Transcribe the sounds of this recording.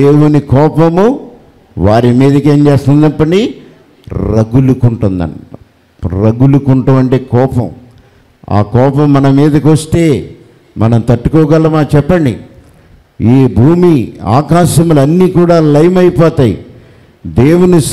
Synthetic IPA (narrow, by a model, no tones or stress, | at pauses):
d̪eːwunikɔːpɐmu | ʋaːɾimiːd̪ɐke̞ːɲd͡ʒe̞ːst̪ɐnd̪ɐpːɐɳɖi | ɾɐɡulukuɳʈund̪ɐ̰n | ɾɐɡulukuɳʈuɐɳʈeːkɔːpɐ̰m | a̰ːkɔːpɐmːɐnɐmiːd̪ɐkiʋɐst̪e̞ː | mʔɐnɐmt̪ɐʈːu̥kɔːɡɐlːɐmaːt͡ʃɛpːɐɳɖḭ | iːbʱuːmia̰ːkaːʃɐmulɐnːiːkuːɽaːlɐjmɐjpɔːt̪aːjḭ | d̪e̞ːwuni